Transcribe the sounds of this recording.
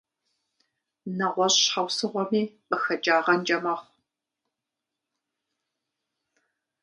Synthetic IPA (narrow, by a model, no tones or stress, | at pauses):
nɐʁʷɔɕħawsɨʁʷɔmiːqəxɐd͡ʒaːʁɐnd͡ʒɐmɐχʷ